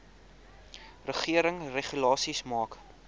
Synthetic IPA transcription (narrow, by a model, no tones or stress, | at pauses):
rəχiəɾəŋreχylɑːsismɑːk